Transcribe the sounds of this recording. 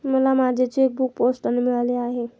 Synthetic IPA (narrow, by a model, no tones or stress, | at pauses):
məlamad͡ʒʱet͡seek̚buk̚posʈənemiɭaleaɦe